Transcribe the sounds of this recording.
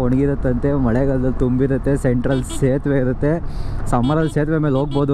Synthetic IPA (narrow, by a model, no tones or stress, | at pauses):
oɳɐɡiɾut̪ːɐnt̪emɐɭeɡɐɭd̪ɐlt̪umbiɾut̪ːeseɳʈɾɐlseːt̪ʋeiɾut̪ːe̞sɐmɐɾɐlseːt̪ʋemeːloːɡ̚boːd̪u